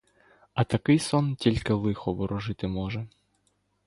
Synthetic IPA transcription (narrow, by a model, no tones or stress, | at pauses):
ɐt̪ɐkɪjsɔntʲilʲkɪlˠɪxɔʋɔɾʔɔʐɪt̪ɪmɔʒɛ